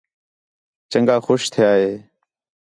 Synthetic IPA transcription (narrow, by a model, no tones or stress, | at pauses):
t͡ʃəŋɡaːxoːʃt̪ʰɪjaːɦeː